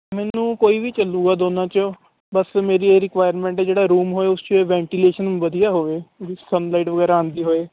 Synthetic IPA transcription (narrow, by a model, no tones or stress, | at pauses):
mɛːnnũːkoːiːʋiːt͡ʃəlːuːɡaːd̪oːnãːt͡ʃo | bəsmeːɾiːeːɾɪkʋaːjəɾmɛ̃ːɳʈɛːd͡ʒeːɽaːɾuːmɦoːeːʊst͡ʃoeːʋɛ̃ːɳʈileːʃənʋəd̪ijaːɦoːʋeːʋisənlaːɪʈʋəɡɛːɾaːãːnd̪iːɦoːeː